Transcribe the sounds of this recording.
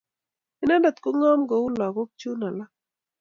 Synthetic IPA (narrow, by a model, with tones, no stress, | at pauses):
ɪ˦na˦ndɔ˨t̪kʊ˦ŋɔ˦mɡɔ˨u˦lɔ˨ɡo˦k̚t͡ʃu˦na˨la˦